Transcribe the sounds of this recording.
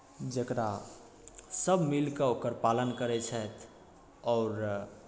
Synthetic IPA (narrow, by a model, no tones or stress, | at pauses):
d͡ʒəkɾa | səbʱmilkeokəɾpalənkəɾɛt͡ʃʰɛt̪ʰ | ɔːɾ